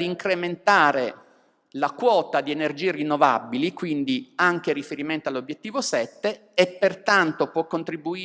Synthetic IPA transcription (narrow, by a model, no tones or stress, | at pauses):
d̪iːŋkɾement̪aːɾe | lakwɔːt̪ad̪ienerd͡ʒiːerinːovabːilikwind̪iaŋk̟eɾifeɾiment̪oalːobjet̪ːiːvosɛt̪ːeː | pːert̪ant̪opwɔkːont̪ɾibuː